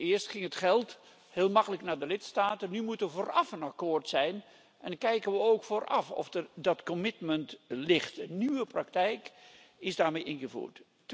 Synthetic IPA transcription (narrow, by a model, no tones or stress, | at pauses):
ɪːəɹstχɪŋətχɛlˠt | hɪːlˠmɑkələknaːdəlɪtstaːtənːymutəʋəvoːrɑfənakoːrtsɛjn | ʔɛnkɛjkənʋəowkfoːrʔɑfɔ̰fdədɑtkɔmɪtməntlɪχtənyʋəprɑk̚tɛjkɪzdaːɹmejʔɪnχəvṵːɹt